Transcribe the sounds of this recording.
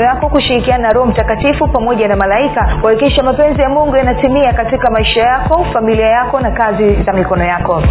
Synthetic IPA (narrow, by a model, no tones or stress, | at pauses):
jakɔkuʃiɾikiananaɾɔhɔm̩takatifupamɔʄanamalaikakwakikiʃamapɛnzijamuŋɡɛjanatimiakatikamaiʃajakɔfamiliajakɔnakazizamikɔnɔjakɔ